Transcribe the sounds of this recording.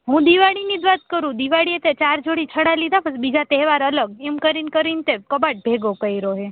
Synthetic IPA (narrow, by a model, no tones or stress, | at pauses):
ɦũd̪iʋaɽinid͡ʒ̪ʋat̪̚kəɾũd̪iʋaɽiet̪et͡ʃaɾd͡ʒoɽit͡ʃʰəɽalid̪ʱapəsbid͡ʒat̪ɛɦʋaɾələɡemkəɾinkəɾint̪ekəbaʈ̚bʱeɡokəiɾoɦe